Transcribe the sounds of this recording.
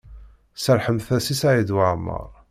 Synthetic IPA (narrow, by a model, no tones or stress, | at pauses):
səɾħəmθæsisaʕid̪waʕmːə̰ɾˤ